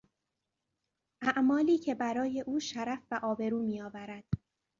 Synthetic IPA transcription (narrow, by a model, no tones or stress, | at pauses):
ʔæʔmɒːliːcʰe̞bæɾɒːje̞ʔuːʃæɾæfbæʔɒːbe̞ɾuːmiːɒːvæɾæd̪̥